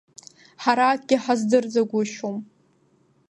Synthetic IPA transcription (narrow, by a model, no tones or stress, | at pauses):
ħaɾaːk̚ɡʲɪħazdɨrd͡zaɡʷʊʃom